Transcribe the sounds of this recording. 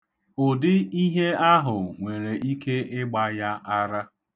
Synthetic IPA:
ʊ˨dɪ˦i˦ɦe˦a˦ɦʊ˨ŋʷe˨ɾe˨ʔi˦ke˦ɪ˦ɡ͡ba˦ja˦a˦ɾa˦

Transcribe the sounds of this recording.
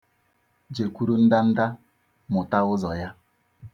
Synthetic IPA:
d͡ʒe˨kʷu˦ɾu˦n̩˦da˦n̩˦da˦ | mʊ˨ta˦ʊ˦zɔ˨ja˦

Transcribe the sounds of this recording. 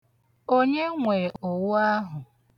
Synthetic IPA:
o˦ɲe˦ŋʷe˨o˨wʊ˦a˦ɦʊ˨

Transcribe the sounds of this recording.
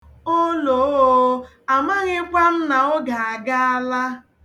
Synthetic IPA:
o˦lo˨˦˨ | a˨ma˦ɣɪ˦kʷa˦m̩˦na˨ʊ˦ɡa˨a˨ɡa˦a˦la˦

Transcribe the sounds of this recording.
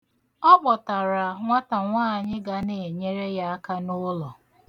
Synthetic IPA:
ɔ˦k͡pɔ˨ta˨ɾa˨ŋʷa˦ta˨ŋʷaː˦˨ɲɪ˦ɡa˦ne˨e˨ɲe˦ɾe˦ja˦a˦ka˦nʊ˦lɔ˨

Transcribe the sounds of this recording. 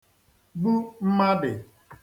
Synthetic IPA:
bu˦m̩˦ma˦dɪ˨

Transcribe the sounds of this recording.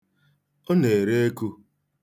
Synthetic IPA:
o˦ne˨ɾe˦e˦ku˦

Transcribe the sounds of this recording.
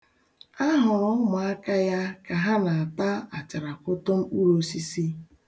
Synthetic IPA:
a˦ɦʊ˨ɾʊ˦mʊ˨a˦ka˦ja˦ka˨ɦa˦na˨a˨ta˦a˨t͡ʃa˨ɾa˨kʊ˦to˦m̩˦u˦ɾo˦si˦si˦

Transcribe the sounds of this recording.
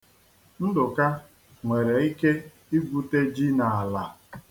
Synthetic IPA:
n̩˦dʊ˨ka˦ | ŋʷe˨ɾe˨i˦ke˦ | i˦ɡʷu˨te˦d͡ʒi˦na˨a˨la˨

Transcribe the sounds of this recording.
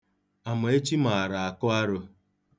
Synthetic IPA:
a˨mʊ˨e˦t͡ʃi˦ma˨a˨ɾa˨a˨kʊ˦a˦ɾʊ˦

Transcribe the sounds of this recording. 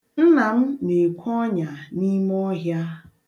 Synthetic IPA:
n̩˦na˨m̩˦ne˨kʷɔ˦ɲa˨ni˦m˦ɔ˦ɦja˦

